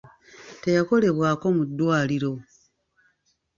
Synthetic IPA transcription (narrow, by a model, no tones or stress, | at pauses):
te̞jako̞le̞βwaːko̞mud̪ːwaːliɾo̞